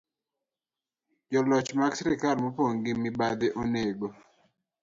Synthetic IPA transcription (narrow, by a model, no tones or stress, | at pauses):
d͡ʒɔlɔt͡ʃmaksɛɾikalmopoŋɡɪmibad̪eʔoneɡo